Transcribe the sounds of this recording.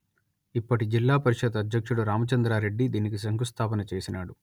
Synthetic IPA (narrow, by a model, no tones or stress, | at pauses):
ipːɐʈid͡ʒilːaːpɐɾiʂɐd̪ɐd̪ʱjɐkʂuɽuɾaːmɐt͡ʃɐnd̪ɾaːɾe̞ɖːid̪iːnikis̬ɐŋɡust̪ʰaːpɐnɐt͡ʃeːsinaːɽu